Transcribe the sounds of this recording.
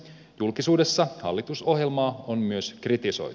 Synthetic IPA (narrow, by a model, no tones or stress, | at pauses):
julkisuːde̞sːɑhɑ̰lːit̪uso̞ɦje̞lmɑːonmyøskrit̪iso̞̰j